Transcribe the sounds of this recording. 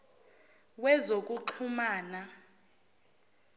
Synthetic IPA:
wɛzok̬ʼuǃʰumaːna

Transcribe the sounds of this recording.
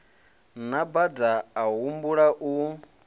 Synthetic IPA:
nabadaːɦumbuɺaʔu

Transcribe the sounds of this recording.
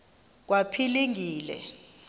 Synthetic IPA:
k̬wapʰiliŋʱiːlɛ̰

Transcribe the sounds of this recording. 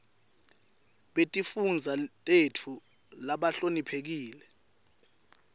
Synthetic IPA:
ɓetʼifund͡zʱatʼetʰu | laɓaɬonipʰek̬iːlɛ

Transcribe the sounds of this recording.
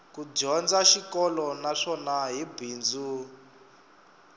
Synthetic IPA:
kuɟɔnd͡zaʃikɔlɔnaʂɔnaɦibʱiːnd͡zu

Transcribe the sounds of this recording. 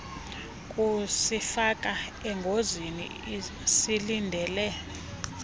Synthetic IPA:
kʼusifak̬ʼaɛŋɡʱozinḭ | silindʱɛːlɛ

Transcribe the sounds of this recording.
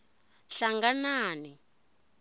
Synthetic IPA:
ɬaŋɡanaːni

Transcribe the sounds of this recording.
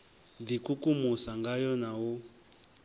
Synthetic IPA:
d̪ikukumusaŋɡajɔnawu

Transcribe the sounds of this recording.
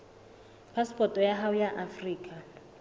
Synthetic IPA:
pʰaspʼɔtʼɔjaɦaʊjaʔafriːkʼa

